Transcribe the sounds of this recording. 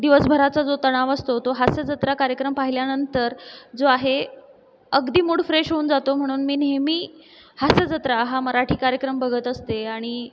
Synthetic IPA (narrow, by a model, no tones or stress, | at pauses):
d̪iʋəsbʱəɾat͡sad͡zot̪əɽ̃aʋəst̪ot̪oɦased͡zət̪ɾakaɾjəkɾəmpaɦiljanənt̪əɾd͡zoaɦe | əɡd̪iːmuːɽfɾeʂɦouːnd͡zat̪om̤əɽ̃uːnmiːnemiː | hased͡zət̪ɾaɦaməɾaʈʰiːkaɾjəkɾəmbʱəɡʱət̪əst̪eaɽ̃i